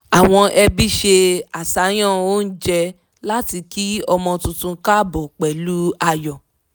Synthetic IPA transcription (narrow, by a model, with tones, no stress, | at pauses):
a˨w̃ɔ̃˧ʔɛ˧bi˦ʃe˧a˨sa˨˦j̃ã˦˨o˦n̩˦d͡ʒɛ˧ | la˦ti˧ki˦ɔ˧mɔ̃˧tũ˧tũ˧ka˦˨bɔ˨k͡pɛ˨lu˦a˧jɔ˨